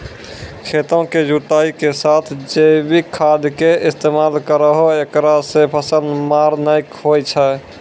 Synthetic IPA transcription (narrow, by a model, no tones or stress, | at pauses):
kʰet̪õked͡ʒut̪aikesat̪ʰd͡ʒebikʰːad̪keist̪emalkəɾəɦoekɾasepʰəsənd̪maɾnəjkɦojt͡ʃʰɛ